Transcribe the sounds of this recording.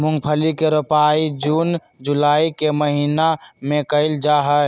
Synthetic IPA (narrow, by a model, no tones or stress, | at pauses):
mʊ̃ŋɡpʰəlikeɾʊpaːid͡ʒuːn | d͡ʒulaːikeməɦiːnamẽkəɪld͡ʒaɦə